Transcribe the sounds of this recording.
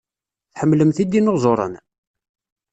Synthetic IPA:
θħəmːləmθid̪inoʁzˤoɾˤə̰n

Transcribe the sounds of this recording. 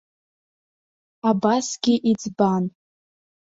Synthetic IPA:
abasɡʲɪʔid͡zban

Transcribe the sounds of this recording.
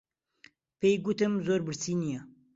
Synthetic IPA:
pejɡut̪ɨmzoːɾbɨɾsiːnijɛ

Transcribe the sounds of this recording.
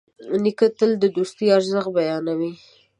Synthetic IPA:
nikət̪əld̪əd̪ust̪əaɾzəxbajɑnawi

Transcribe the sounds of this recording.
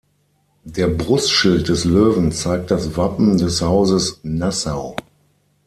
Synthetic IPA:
d̥eːɐbʁʊstʃɪlt̚d̥ɛsløːvn̩t͡saɪk̚t̚d̥asvapm̩dɛshaʊzəsnasaʊ

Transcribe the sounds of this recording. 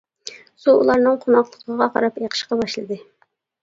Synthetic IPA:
suṵlˠɑɾnɨŋqʰonɑqlˠəqʰəʁɑqʰɑ̰ɾɑpeqʰə̥ʃqɑbɑʃlˠɨd̪ɨ

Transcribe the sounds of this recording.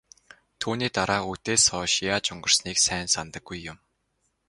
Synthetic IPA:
t̪ʰuːniːt̪aɾaːut̪eːsɔːʃijat͡ɕɵŋɡə̆rsniːksæːnsant̪ə̆ɡːujːʊm

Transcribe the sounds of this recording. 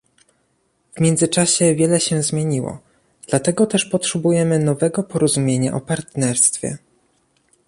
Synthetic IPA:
vmʲjɛnd̪zɘt͡ʂaɕɛvʲjɛlɛɕɛzmʲjeɲiwɔ̰ | d̪̥lat̪ɛɡɔt̪ɛʂpɔtʂɛbujɛmɘnɔvɛɡɔpɔɾɔzumʲjeɲa̰ʔɔpaɾt̪nɛɾst̪fʲjɛ̰

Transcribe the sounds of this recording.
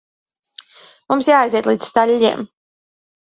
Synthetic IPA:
mumsjaːiziɛt̪lˠiːd̪z̥st̪aʎʲːḭɛm

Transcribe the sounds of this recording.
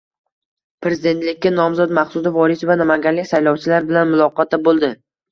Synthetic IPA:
pʰɾe̞zɪd̪e̞nt̪lɪkʲːanɒmzɒd̪maχsʊd̪ɪvɒɾɪsvanamaŋɡʲanlɪkʲsajlɒwt͡ʃʰɪlaɾbɪlanmʊlˠɒqɒt̪ʰabolˠd̪ɪ

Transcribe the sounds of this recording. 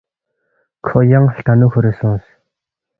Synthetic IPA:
kʰɔjaŋɬt̪ʰanʊːxɵɾʲeːsŋs

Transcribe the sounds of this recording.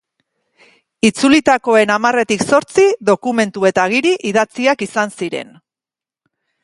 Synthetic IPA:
it͡sulit̪ako̞e̞namare̞t̪ikso̞ɾt͡siðo̞kume̞nt̪ue̞t̪aɣ̞iɾiʔiðat͡siakisansiɾe̞̰n

